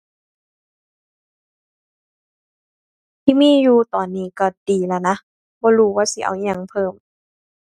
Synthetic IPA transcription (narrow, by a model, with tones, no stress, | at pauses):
t̪ʰiː˧˨miː˧˥˨juː˧t̪ɔː˨˩nːiː˧˩kɔ˧˩diː˨˩la˧˩na˧˥ | bɔː˧˦ɾuː˧˦waː˧˨si˧˦ʔa̰˨˩wɲa˧˨ŋpʰɤː˧˩m